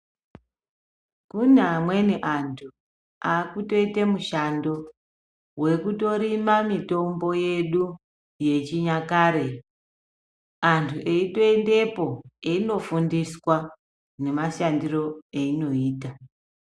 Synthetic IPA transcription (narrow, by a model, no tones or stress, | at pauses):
kuneːmwe̞niʔantʰu | aːkuto̞itemuʃando̞ | we̞kuto̞ɾimamito̞mbo̞je̞ɗu | je̞t͡ʃiɲakaːɾe̞ | antʰuʔeitoende̞po̞eino̞fundiswa | ne̞maʃandiro̞eino̞iːta